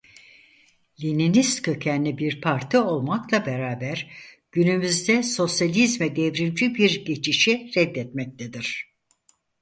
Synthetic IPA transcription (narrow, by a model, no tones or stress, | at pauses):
lʲininist̪kʰøcʰænːibiɾpʰaɾt̪ʰɯo̞lˠmaklˠabeɾaːbæɾ | ɟ̥ynymyzd̪ɛso̞sjalʲizmɛd̪ɛvɾind͡ʒibiɾɟe̞t͡ʃʰiʃiɾɛd̪ːɛt̪mɛc̚t̪ʰed̪iɾ̥